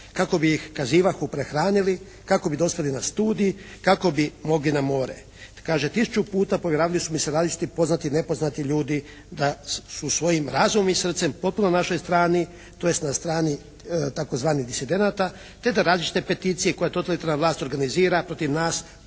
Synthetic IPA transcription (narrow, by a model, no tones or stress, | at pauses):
kako̞bijixkaziːʋaxupɾexɾaːnili | kako̞bid̪o̞spelinast̪uːd̪ijikako̞bimo̞ɡlinamo̞ːɾḛ | kaːʒet̪isu̥t͡ʃupuːt̪apo̞ʋjeɾaːʋilisumiseɾaːzlit͡ʃi̥t̪ipo̞znat̪ine̞po̞znat̪iʎuːd̪i | d̪asusʋo̞jimɾaːzummisr̩t̪se̞mpo̞t̪̚punonaʃo̞jst̪ɾaːni | t̪o̞je̞st̪nast̪ɾaːni | t̪ako̞zʋaːniɣd̪isid̪e̞nat̪a | t̪e̞d̪aɾaːzlit͡ʃi̥t̪epe̞t̪iːt̪sijeko̞jat̪o̞t̪alit̪aɾnaʋlˠaːst̪ʲo̞ɾɡaniziːɾapɾo̞t̪iʋnaːs